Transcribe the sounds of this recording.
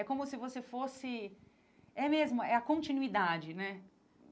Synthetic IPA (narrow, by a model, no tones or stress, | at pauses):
ɛkõmʊsɪvosefosɪ | ɛmezmʊɛɐkõnt͡ʃinuid̪ad͡ʒɪnɛ